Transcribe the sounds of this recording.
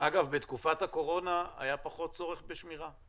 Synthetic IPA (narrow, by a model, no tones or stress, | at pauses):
ʔaɡavbet̪kufat̪hako̞ʁo̞naa̰japaχo̞t̚t͡so̞ʁe̞χbeʃmiʁa